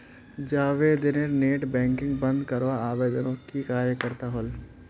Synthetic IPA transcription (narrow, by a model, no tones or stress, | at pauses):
d͡ʒaːʋed̪ɪneɾneːʈbɛ̃ːŋkɪ̃ŋɡbɐ̃nd̪kəɾʋaaːʋeːd̪ənõkikaːɾjəkəɾt̪aɦol